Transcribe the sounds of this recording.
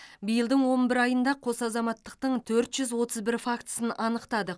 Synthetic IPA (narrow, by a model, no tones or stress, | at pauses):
bijəlˠd̪əɴwo̞nbɪɾɑjənd̪ɑqʰo̞sɑzɑmɑt̪ːəq̚t̪əɴt̪ʰɵɾt̪ʒʏzwo̞t̪ʰəzbɪɾfakt̪ə̥sənɑnəqt̪ɑd̪ə